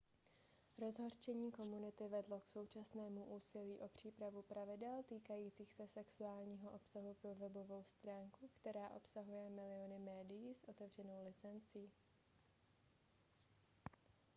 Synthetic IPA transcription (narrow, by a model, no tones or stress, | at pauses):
ɾo̞zɦo̞rt͡ʃɛɲiːko̞munɪt̪ɪvɛdlo̞kso̞wt͡ʃasnɛːmuʔuːsɪliːʔo̞pr̝̥iːpɾavupɾavɪdɛlt̪iːkajiːt͡siːxsɛsɛksuaːlɲiːɦoʔo̞psaɦupɾovɛbo̞vo̞wst̪ɾaːŋkukt̪ɛɾaːʔo̞psaɦujɛmɪlɪonɪmɛːdɪjiːsʔo̞t̪ɛvr̝ɛno̞wlɪt͡sɛnt͡siː